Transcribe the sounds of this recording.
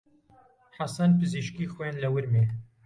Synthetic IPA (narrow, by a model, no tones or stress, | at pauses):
ħasɐnpɨziʃkixojanlɐwɨɾme